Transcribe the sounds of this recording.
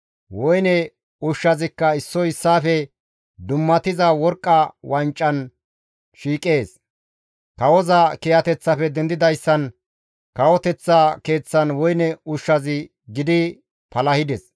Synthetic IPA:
wɔjnɛ | ʊʃːɐzɪkːɐɪsːɔɪsːaːfɛ | d̪ʊmːɐt̪ɪzɐwɔɾkʼːɐwɐnt͡ʃʼːɐn | ʃiːkʼe̞ːs | kɐwɔzɐkɛjɐt̪ɛt͡sːɐfɛd̪ɛnd̪ɪd̪ɐjsːɐn | kɐwɔt̪ɛt͡sːake̞ːt͡sːɐnwɔjnɛʊʃːɐzɪ | ɡɪd̪ɪ | pɐlɐhɪd̪ɛs

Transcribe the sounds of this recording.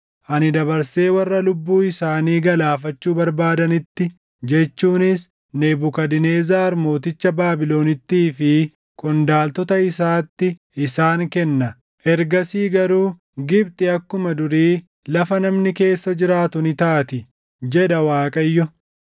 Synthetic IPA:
ʔɐnɪd̪ɐbɐɾse̞ːwɐrːɐlʊbːuːɪsaːniːɡɐlaːfɐt͡ʃːuːbɐɾbaːd̪ɐnɪt̪ːɪ | d͡ʒɛt͡ʃːuːnɪs | nebʊkɐd̪ɪne̞ːzaːɐɾmo̞ːt̪ɪt͡ʃːɐbaːbɪlo̞ːnɪt̪ːiːfɪ | kʊnd̪aːlt̪ɔt̪ɐɪsaːt̪ːɪ | ɪsaːŋkɛnːɐ | ʔɛɾɡɐsiːɡɐɾuː | ɡɪbt̪ʼɪɐkːʊmɐd̪ʊɾiː | lɐfɐnɐmnɪke̞ːsːɐd͡ʒɪɾaːt̪ʊnɪt̪aːt̪ɪ | d͡ʒɛᶑɐwaːkʼɐjːɔ

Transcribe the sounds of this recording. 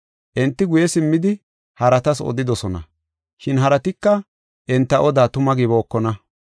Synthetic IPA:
ʔɛnt̪ːɪɡʊjɛsɪmːɪd̪ɪ | hɐɾɐt̪ɐsɔ̰d̪ɪd̪ɔsɔnɐ̰ | ʃɪnɦɐɾɐt̪ɪkːɐ | ʔɛnt̪ːɐʔɔd̪aːt̪ʊmɐɡɪbo̞ːkːɔnɐ

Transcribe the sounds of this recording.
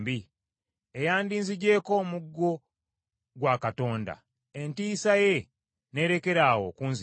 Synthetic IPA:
bi | ejaːndiːnziɟe̞ːko̞ːmuɡːo̞ | ɡwakato̞ːnda̰ | entiːsaje̞ | ne̞ːɾe̞ke̞ɾaːwo̞kuːnzi

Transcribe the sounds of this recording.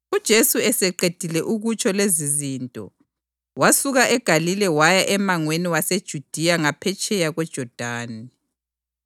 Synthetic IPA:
ud̥ʒ̥ʱesuɛsɛǃed̥ʱilɛʔuɣut͡ʃʼɔlezizintʼɔ̰ | wasuɣaʔɛɡ̥ʱalilɛwajaʔɛmaŋweniwased̥ʒ̥ʱud̥ʱiaŋapʰɛt͡ʃʼɛjaɣwɛd̥ʒ̥ʱɔd̥ʱaːni

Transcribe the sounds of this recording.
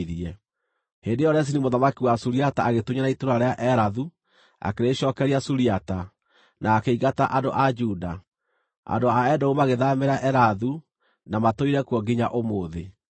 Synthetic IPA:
ɾiɛ | hendejɔɾeas̬inimoðamakiwasuɾiataːɣetuɲanaitoɾaɾeaʔɛɾaðu | a̰keɾeɕɔkɛɾiasuɾiata | nʔaːkeiɣataʔadoʔad͡ʒuda | a̰ndoaɛdɔumaɣeðameɾaʔɛɾaðu | namatoiɾɛkwɔɡiɲaʔomoðe

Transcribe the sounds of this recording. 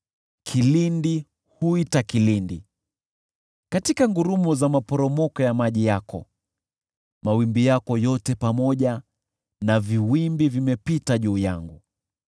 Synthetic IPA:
kʰilindi | huitakilindḭ | katikaŋɡuɾumɔzamapɔɾɔmɔkɔjamaʄijakʰɔ̰ | mawimbijakɔjɔtɛpamɔʄa | naviwimbivimɛpitaʄuːjaŋɡu

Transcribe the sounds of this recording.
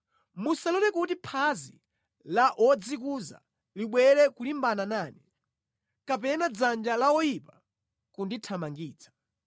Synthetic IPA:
musalɔnɛkutipʰazi | laʔɔd͡zikuza̰ | liɓwɛɾɛkulimbananaːni | kapɛnad͡zand͡ʒalaɔjipa | kunditʰamaŋɡiːt͡sḁ

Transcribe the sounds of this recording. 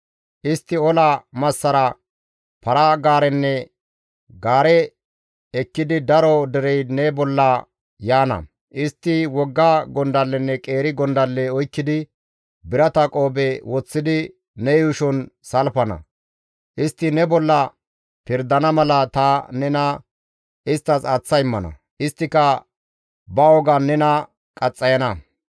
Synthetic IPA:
ʔɪst̪ːɪɔlamɐsːɐɾɐ | pɐɾaɡaːɾɛnːɛ | ɡaːɾɛ | ɛkːɪd̪ɪd̪ɐɾɔd̪ɛɾɛjnɛbɔlːɐ | jaːnɐ̰ | ʔɪst̪ːɪwɔɡːaɡɔnd̪ɐlːɛnːɛkʼe̞ːɾɪɡɔnd̪ɐlːɛɔjkːɪd̪ɪ | bɪɾɐt̪ɐkʼoːbɛwɔt͡sːɪd̪ɪ | nɛjʊʃɔnsɐlpɐnɐ̰ | ʔɪst̪ːɪnɛbɔlːɐ | pɪɾd̪ɐnɐmɐlɐt̪ɐnɛnɐ | ɪst̪ːɐsɐt͡sːɐɪmːɐnɐ̰ | ʔɪst̪ːɪkːɐ | bɐɔɡɐnɛnɐ | kʼɐt͡sʼːɐjɐnɐ

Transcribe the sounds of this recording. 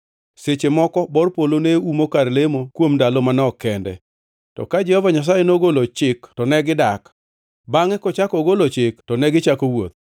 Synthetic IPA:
set͡ʃemɔkɔbɔrpoloneumokarlemokwomdalomanɛɔkɛndɛ̰ | tɔ̰kad͡ʒɛhɔvaɲas̬ajenoɡolot͡ʃɪktɔnɛɡɪdak | baŋɛkɔt͡ʃakɔɡolot͡ʃɪktɔnɛɡɪt͡ʃakowot̪̚

